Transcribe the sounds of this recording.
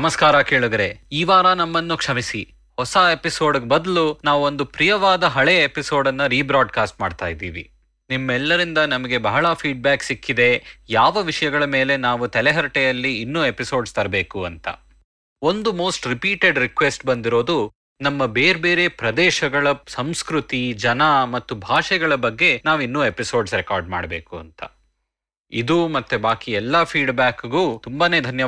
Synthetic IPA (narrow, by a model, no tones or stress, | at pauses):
nɐmɐskaːɾɐke̞ːɭud̪ɐɾeiːʋaːɾɐnɐmːɐnːukʂɐmisi | hɔsɐepiso̞ːɖɡebɐd̪ɐlunaːʋuond̪upɾijɐʋaːd̪ɐɦɐɭeepiso̞ːɖɐnːɐɾiːbɾaːɖkaːsʈ̚ma̰ːɖt̪a̰ːjid̪ḭːʋḭ | nimːɛlːɐɾind̪ɐnɐmɐɡe̞bɐɦɐɭɐpʰiːɖ̚baːksikːid̪e̞jaːʋɐʋiʂɐjɐɡɐɭɐmeːle̞naːʋut̪ɛlɛɦɐɾʈejɐlːiːnːuːe̞piso̞ːɖst̪ɐɾɐbeːkuɐnt̪ɐ̰ | o̞nd̪umo̞ːsʈɾipiːʈeɖɾikʋesʈbɐnd̪iɾo̞ːd̪u | nɐmːɐbeːɾbeːɾe̞pɾɐd̪ɛːʃɐɡɐɭɐsɐmskɾut̪id͡ʒɐnɐmɐt̪ːubʱaːʂɛɡɐɭɐbɐɡːe̞naːʋinːuːe̞piso̞ːɖsɾɛkaːɾɖma̰ːɽɐbe̞̰ːkuɐ̰nt̪ɐ̰ | ḭd̪umɐt̪ːubaːkiɛlːɐpʰiːɖbaːkɡuːt̪umbaːneːd̪ʱɐnjɐ